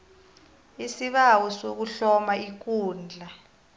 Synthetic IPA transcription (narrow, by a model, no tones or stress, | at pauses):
isiɓawɔsok̬uɬɔmaik̬uːnd͡ɮʱa